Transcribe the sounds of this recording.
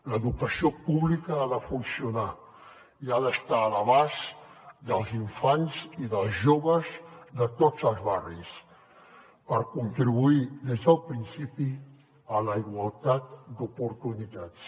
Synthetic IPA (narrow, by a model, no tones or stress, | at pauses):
ləðukəsiopuβlikəaðəfunsiuna | iaðəst̪aːləβazd̪əlˠziɱfanziðəlˠzʒoβəzd̪ət̪od͡zəlˠzβaris | pəɾkunt̪ɾiβuid̪ezðəlˠpɾinsipi | ələiɣwalˠt̪at̪d̪upuɾt̪unit̪at͡s